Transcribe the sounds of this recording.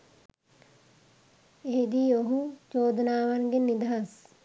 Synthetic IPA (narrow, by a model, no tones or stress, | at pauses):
eɦed̪iːoɦut͡ʃoːd̪naːʋanɡenːid̪aɦas